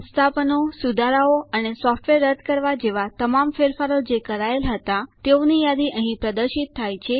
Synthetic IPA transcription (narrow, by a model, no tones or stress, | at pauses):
st̪ʰapənosud̪ʱaɾaoənesɔfʈʋeɾːəd̪ʱkəɾʋad͡ʒeʋat̪əmamfeɾfaɾod͡ʒekəɾaelɦət̪at̪eonijad̪iʔəɦĩpɾəd̪əɾʃit̪ʰːajt͡ʃʰe